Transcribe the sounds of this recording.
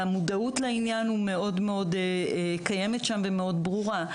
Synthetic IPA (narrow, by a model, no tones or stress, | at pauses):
amudautleinjanhume̞o̞dmeo̞dkaje̞metʃamvemeo̞dbʁuʁa